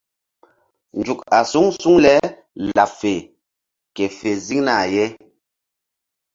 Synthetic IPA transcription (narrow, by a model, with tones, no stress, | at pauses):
n˨d͡ʒu˨ka˨su˦ŋsu˦ŋlɛ˦ | la˨fe˨ | kɛ˨fe˨zi˦ŋna˦˨jɛ˦